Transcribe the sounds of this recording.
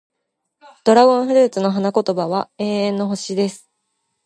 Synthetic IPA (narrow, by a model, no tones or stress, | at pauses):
d̪̥o̞ɾaɡõ̞ɰ̃ɸɯ̟ɾɯ̟ːt͡sɨno̞ɦanako̞t̪o̞baβae̞ːẽ̞nːo̞ɦo̞ɕid̪e̞sɨ̥